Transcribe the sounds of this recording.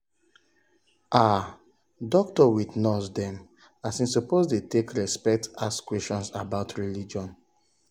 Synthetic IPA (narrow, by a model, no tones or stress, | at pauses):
ʔa | dɔk̚tɔwidnɔsdɛ̃m | asĩnsupozdetekɹɛspɛk̚taskwɛstɔ̃nsabaʊtʰɹilid͡ʒɔ̃n